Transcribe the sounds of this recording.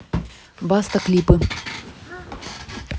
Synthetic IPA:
bast̪ɐklʲipɨ

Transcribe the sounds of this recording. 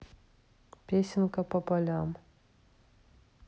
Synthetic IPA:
pʲesʲɪnkəpɐpalʲam

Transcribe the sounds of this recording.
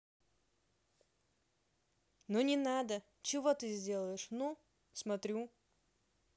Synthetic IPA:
nonʲɪnad̪ə | t͡ɕɪvot̪ɨzʲdʲe̞lˠəjɪʂnu | smɐt̪ɾʲu

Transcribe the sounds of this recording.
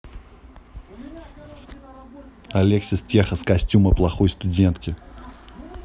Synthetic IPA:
ɐlʲeksʲɪstʲexəskɐsʲtʲuməplˠɐxojst̪ʊdʲent̪kʲɪ

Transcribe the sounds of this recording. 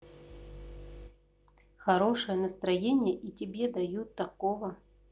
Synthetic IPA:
xɐɾoʂɨjənəst̪ɾɐjenʲɪjəʔitʲɪbʲed̪ɐjut̪ːɐkovə

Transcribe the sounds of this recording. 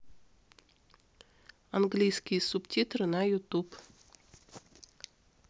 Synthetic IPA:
ɐnɡlʲijskʲijsuptʲit̪ɾɨnajʊt̪up

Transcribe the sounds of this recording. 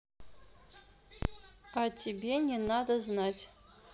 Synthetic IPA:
atʲebʲenʲenad̪ɐznatʲ

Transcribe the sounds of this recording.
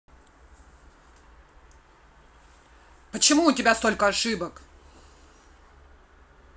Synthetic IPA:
pət͡ɕɪmuʊtʲɪbʲast̪o̞lʲkəɐʂɨbək

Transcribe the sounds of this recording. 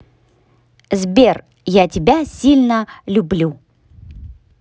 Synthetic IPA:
zbʲer | jatʲɪbʲasʲilʲnəlʲʊblʲu

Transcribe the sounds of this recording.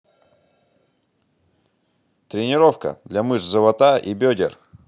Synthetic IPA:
t̪ɾʲɪnʲɪɾofkə̰d̪lʲamɨʂzɨvˠɐt̪aʔibʲɵdʲɪ̰r

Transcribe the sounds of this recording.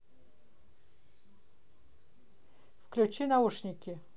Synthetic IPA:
fklʲut͡ɕinauʂnʲɪkʲɪ

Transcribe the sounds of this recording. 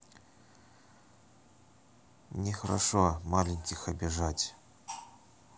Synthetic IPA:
nʲɪxɐɾʔa̰ʂɔmalʲɪnʲkʲɪxɐbʲɪʐatʲ

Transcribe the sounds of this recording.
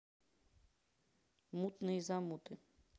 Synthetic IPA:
mut̪nɪizamut̪ɪ

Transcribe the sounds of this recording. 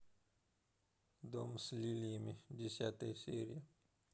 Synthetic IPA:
d̪omslilimid͡ʒisat̪eseɾija

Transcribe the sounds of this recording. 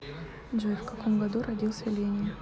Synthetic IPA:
d͡ʒojfkɐkomɡɐd̪uɾɐdʲilˠsʲəlʲenʲɪn

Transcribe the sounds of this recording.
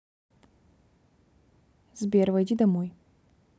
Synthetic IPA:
zbʲervɐjdʲid̪ɐmoj

